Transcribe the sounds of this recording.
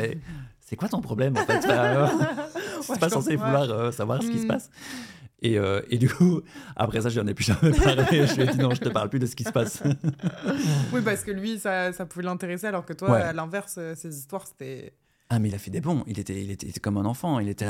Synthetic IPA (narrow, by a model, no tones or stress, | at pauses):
ɛsɛkwat̪ɔ̃pχɔblɛmɑ̃fɛt̪aɔ | yɛpasɑ̃sevulwaʁøsavwaʁsə̥kʲisə̥pas | eøed̪ykua̰pχɛsaʒəjɑ̃nɛpypaʁleeʒəiɛd̪inɔ̃ʒət̪əpaʁlplyd̪əsə̥kʲisə̥pas | wip̬aʁsə̥kəlɥisasapuvɛlɛ̃t̪eʁesealɔʁkət̪wawɛːlɛ̃vɛʁsøsezist̪waʁse̥t̪ɛ | amɛilafɛd̪ebɔ̃ilet̪ɛilet̪ɛit̪ɛ̥kɔmɛ̃nɑ̃fɑ̃ilet̪ɛ